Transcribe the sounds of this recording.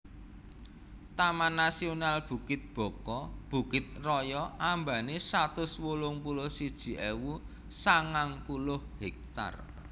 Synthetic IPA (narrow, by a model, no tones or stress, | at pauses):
t̪amanːasionalb̥ṳkɪt̪̚b̥ɔ̤kɔb̥ṳkɪt̪̚rɔjɔʔamba̤nesat̪ʊswolʊŋpulʊhsid̥ʒ̥i̤ʔewu | saŋaŋpulʊhhɛk̚t̪a̰r